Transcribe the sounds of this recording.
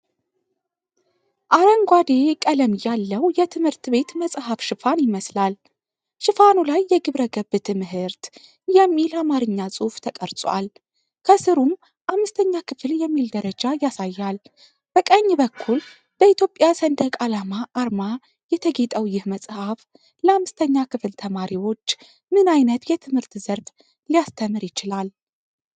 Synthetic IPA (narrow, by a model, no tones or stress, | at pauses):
ʔaɾəŋɡʷad̪e̞kʼələmjalːəwjɛt̪ʰɨmhɨɾt̪be̞t̪məsʼhafʃɨfanjɪməslal | ʃɨfanulajːɛɡɨβɾəɡəbɨt̪ʰɨmɨhɨɾt̪ | jɛmːilamaɾɨɲːasʼuft̪ʰəkʼəɾsʼwa̰l | kʰəsɨɾum | ʔamːɨst̪ʰəɲːakʰɨfljɛmːild̪əɾəd͡ʒajasajːal | b̥əkʼəɲːbəkʰːul | b̥əit̪ʰjo̞pʼjasənd̪əkʼalamaʔːɾma | jɛt̪ʰəɡe̞t̪ʼəwjɪhməsʼhaf | ləamːɨst̪ʰəɲːakʰɨfɨlt̪ʰəmaɾiwo̞t͡ʃː | mɨnajnət̪jɛt̪ʰɨmhɨɾt̪z̥əɾf | lijast̪ʰəmɨɾjɪt͡ʃɪlal